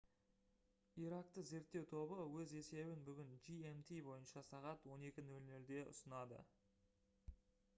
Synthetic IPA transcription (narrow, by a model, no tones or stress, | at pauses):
iɾɑq̚t̪əze̞ɾt̪ːe̞wt̪ʰo̞bəwɵze̞se̞bɪnbʏɡʲɪnd͡ʒiemt̪ʰibo̞jənʃɑsɑʁɑt̪wo̞ne̞kʲɪnɵlnɵld̪e̞ʔʊ̰sənɑd̪ə̰